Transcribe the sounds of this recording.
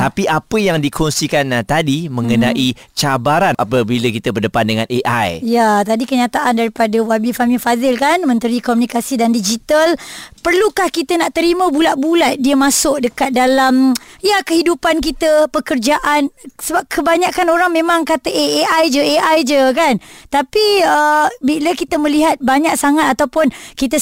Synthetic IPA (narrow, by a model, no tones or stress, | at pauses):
t̪apiʔapəjaŋdikʰɔnsikant̪adimə̃ŋənãʔit͡ʃabaɾanʔa̰pəbiləkit̪əbərdəpandəŋãnʔeʔa̰jjat̪adikəɲãt̪aʔandaɾipadəwabifamifazɪlkanmə̃nt̪əɾikomunikasidandid͡ʒit̪alpərlukahkit̪ənaʔt̪əɾimə̃bulaʔbulat̪̚diəmãsʊʔ̚dəkat̪̚dalamjakəhidupank̬it̪əpəkərd͡ʒaʔansəbap̚kʰəbaɲaʔkanoɾaŋmẽmaŋkat̪əʔeeʔajd͡ʒəeʔajd͡ʒəkant̪apiəbiləkit̪əmə̃liɦat̪̚baɲaʔ̚saŋat̪at̪awpʊnkit̪ə